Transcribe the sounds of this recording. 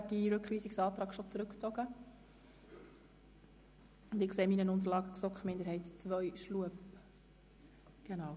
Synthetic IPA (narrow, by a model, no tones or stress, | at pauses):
d̥iɾɵkχʋiːsiksɑːt̪ɾɑːkʃɔt͡sɾʉkt͡sɔɡə | ʊndɪkseːmiːnənʊnt̬əɾlɑːɡəksɔkχmɪndəɾɦɛɪtt͡sʋœjʃluəp | ɡ̥enɑːw